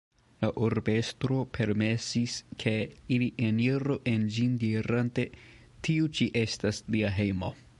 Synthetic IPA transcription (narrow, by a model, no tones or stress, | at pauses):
laʔoɾbe̞stɾo̞pʰe̞ɾme̞siskʰe̞iliʔeniɾoʔe̞nd͡ʒindiɾante̞ | tʰiut͡ʃiʔe̞stasliaɦe̞jmo